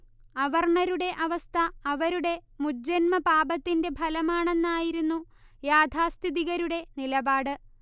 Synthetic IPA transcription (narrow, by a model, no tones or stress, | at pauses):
ɐʋɐrɳɐɾuɽe̞ʔɐʋɐst̪ʰɐːʋɐɾuɽe̞muɐnmɐpaːbɐt̪ːinde̞bʱɐlɐmaːɳe̞nːaːjiɾunːu | jaːd̪ʱaːst̪ʰiðiɣɐɾuɽe̞nilɐbaːɽɨ